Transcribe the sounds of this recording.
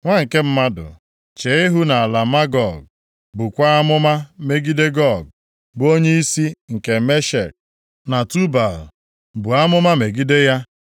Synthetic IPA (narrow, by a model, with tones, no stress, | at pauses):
ŋʷa˦ŋ̩˨ke˦m̩˦ma˦dʊ̰˨ | t͡ʃe˨˦i˦ɦu˦na˨a˨la˨ma˦ɡɔ˦˨ɡ̚ | bu˨kʷa˦a˦mʊ˦ma˦me˦ɡi˦de˦ɡɔ˦˨ɡ̚ | bo˦ɲe˦i˦si˦ŋ̩˨ke˨me˦ʃe˨k̚ | na˨tu˦ba˨l | bu˨a˦mʊ˦ma˦me˨ɡi˦de˦ja˦